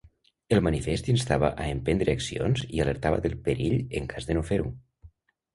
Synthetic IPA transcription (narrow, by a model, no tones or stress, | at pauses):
elˠmanifest̪inst̪aβa̰ʔaempend̪ɾeaksio̰nzialeɾt̪aβə̰ðelˠpeɾiʎəŋkʰazðənofeɾu